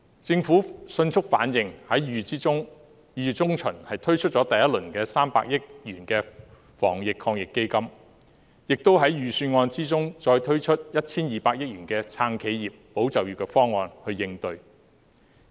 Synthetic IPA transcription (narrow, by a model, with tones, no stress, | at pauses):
t͡sɪ˧ŋfuː˨˥sɵ˧nt͡sʰʊ˥k̚faː˨˥njɪ˨ŋhɐ˨˥jɥyː˨˩t͡siː˥t͡sʊ˥ŋ | jyː˨t͡sʊ˥ŋt͡ʃʰɵ˨˩nhɐ˨jt̪ʰɵ˥ɥt͡ʃʰɵ˥t̚t͡ʃɔː˨˥t̪ɐ˨jɐ˥t̚lɵ˨˩nkɛː˧saː˥mpa̰ː˧k̚jɪ˥k̚ɥyː˨˩nkɛː˧ | fɔ̰ː˨˩ŋjɪ˨kʰːɔː˧ŋjɪ˨kːe˥jkɐ˥m | jɪ˨k̚t̪o˥wɦɐ˨˥jɥyː˨syː˧nŋɔː˧nt͡siː˥t͡sʊ˥ŋt͡ʃɔː˧jt̪ʰɵ˥ɥt͡ʃʰɵ˥t̚jɐ˥t̚t͡sʰiː˥njiː˨paː˧k̚jɪ˥k̚ɥyː˨˩nkɛː˧t͡sʰaː˧ŋkʰe˨˧jjiː˨p̚ːo˨˥wt͡sɐ˨˩wjyː˨˩kːɛ˧˥fɔː˥ŋːɔː˧nhɵ˧ɥjɪ˧ŋt̪ɵ˧ɥ